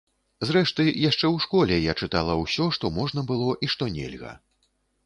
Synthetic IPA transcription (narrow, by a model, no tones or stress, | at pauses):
zɾɛʂt̪ɨjaʂt͡ʂɛwʂkɔlʲɛjat͡ʂɨt̪alˠɐwsʲɔʂt̪ɔmɔʐnɐbɨlˠɔʔiʂt̪ɔnʲɛ̰lʲɣɐ̰